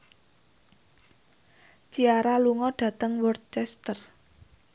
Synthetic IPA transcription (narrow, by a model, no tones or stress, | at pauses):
t͡ʃiaɾaluŋɔɖ̥ä̤t̪əŋwɔrt̪̚t͡ʃɛst̪ər